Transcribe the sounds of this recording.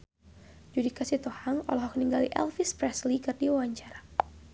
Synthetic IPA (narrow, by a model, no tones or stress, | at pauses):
d͡ʒudikasiht̪ɔhaŋɔ̰lɔɦɔkniŋɡalḭʔɛ̰lfispɾɛslikɨrdiwawaɲt͡ʃaɾa